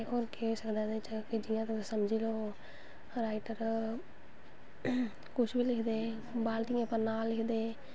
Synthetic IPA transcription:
oːɾkeeːsəkd̪aːnẽt͡ʃəked͡ʒɪjãːt̪əsəmd͡ʒiːloː | ɾaːɪʈəɾ | kʊʃʰbʱiːlɪkʰd̪eː | baːlt̪iãːpəɾnaːlːɪkʰd̪eː

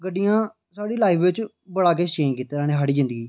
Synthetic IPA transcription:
ɡəɖijãː | saːɽiːlaːipʋɪt͡ʃ | bəɽaːk̬eːʃẽːkiːt̪ːeːnaːnẽːɦaːɽiːd͡ʒɪ̃nd̪əɡiː

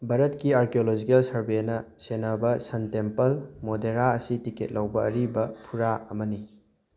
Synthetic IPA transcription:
bɐɾɐtkiaɾkeolod͡ʒikɐlsɐɾbenɐsenɐbɐsɐntempɐlmodeɾaɐsitiket̚lɐwbɐːɾibɐpʰuɾaɐmɐni

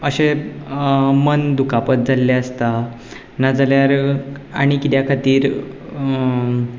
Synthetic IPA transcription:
əɕe | mənd̪ukʰapət̪̚d͡zalːaəst̪a | nad͡zaljaɾaɽ̃ikit̪jakʰat̪iːɾ

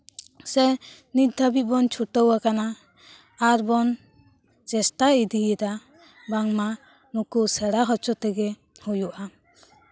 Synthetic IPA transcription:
sɛ | nit̪̚d̪ʱabit̪̚bɔnt͡ʃʰuʈəwakanaː | ɾbɔn | t͡ʃɛsʈaid̪iɛd̪a | baŋma | nukusɛɽaɦɔt͡ʃɔt̪ɛɡɛ | hujuʔa

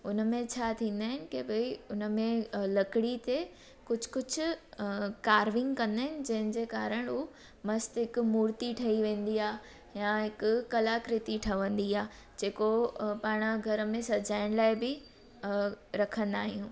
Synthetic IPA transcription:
ʊnəmẽt͡ɕʰaːt̪ʰĩːn̆d̪aːɦɪnɪ̆kebɐiʊnə̆mẽlɐkɪɽit̪e | kʊd͡ʑʱʊ̥kʊd͡ʑʱʊ̆ | kaːɾʋɪ̃ŋɡkɐ̃nd̪aːɦɪnɪ̆d͡ʑɐ̃ɦɪ̃nɪ̆d͡ʑeːkaːɾəɽ̃u | mɐst̪ɦɪkʊmuːɾt̪iʈʰɐiʋẽːn̆d̪iaː | jãɦɪkʊ̆kɐlaːkɾɪt̪iʈʰɐʋə̃nd̪iaː | d͡ʑeːkopaːɽ̃ɡʱɐɾəmẽsɐd͡ʑaːɪɽ̃laːɪbɪ | ɾɐkʰə̃nd̪aːɦijũː

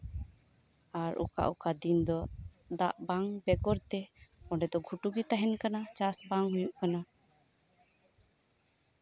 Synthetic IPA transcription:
aɾṵka̰ʔukad̪ind̪ɔ | d̪aʔbaŋbɛɡɔɾt̪ɛɔɳɖɛd̪ɔɡʱuʈuɡit̪aɦɛnkanat͡ʃasbaŋɦujuʔkana

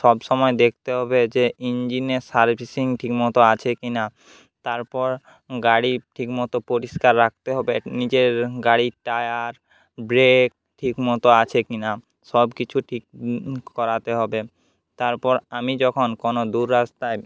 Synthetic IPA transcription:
ʃɔbʃɔmɔed̪ek̚ʰt̪eɦɔbed͡ʑeʔind͡ʑinesaɾbʱisiŋʈʰikmɔt̪oat͡ɕʰekina | t̪aɾpɔɾ | ɡaɽiʈʰikmɔt̪opoɾiskaɾːak̚t̪eɦɔbenid͡ʑeɾɡaɽiʈajaɾ | bɾek̚ʈʰikmɔt̪oat͡ɕʰekina | ʃɔbkit͡ɕʰuʈʰik̚kɔɾat̪eɦɔbe | t̪aɾpɔɾamid͡ʑɔkʰonkonod̪uɾːast̪ae

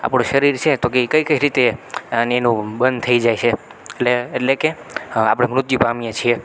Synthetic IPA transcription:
a̰pɽ̃õʃəɾiɾt͡ʃʰet̪okekəjkəiɾit̪eneːnũbənd̪̚t̪ʰəid͡ʒajt͡ʃʰe | leːʈlekea̰pɽ̃emɾʊt̪jupamijẽt͡ʃʰie

